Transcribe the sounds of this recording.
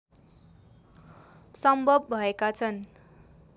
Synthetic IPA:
sʌmbʱʌb̚ːʱʌekat͡sʰʌn

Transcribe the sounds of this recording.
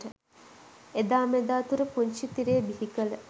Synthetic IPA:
ʈə | ed̪aːmed̪aːt̪uɾəpuɲʃit̪iɾeːbiɦikələ

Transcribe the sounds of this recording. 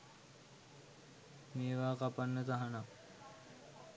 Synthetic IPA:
meːʋaːkapanːət̪aɦana

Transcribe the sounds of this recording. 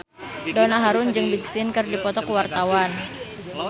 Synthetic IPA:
dɔnaɦaɾʊnd͡ʒɨŋbik̚sɪnkɨrdipɔt̪ɔkwart̪awan

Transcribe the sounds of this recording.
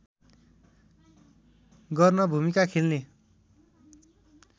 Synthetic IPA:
ɡʌrnʌbʱumikakʰelne

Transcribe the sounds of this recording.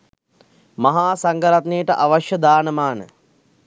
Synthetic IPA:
maɦaːsaŋɡəɾat̪nejəʈəʔaʋaʃjəd̪aːnəmaːnə̰

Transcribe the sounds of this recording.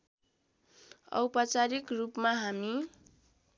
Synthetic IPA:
ʌ̰wpat͡saɾikrupmaɦami

